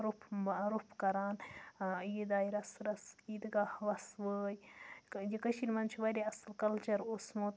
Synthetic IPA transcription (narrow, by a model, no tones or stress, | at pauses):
ɾupʰmaɾupʰkɐɾaːn | jid̪aːjɾɐsɾɐsiːd̪ɡahʋɐsʋəːjjikɐʃiɾʲmɐnt͡ʃʰiʋɐɾʲiɐslkɐlt͡ʃɐɾosmoːt̪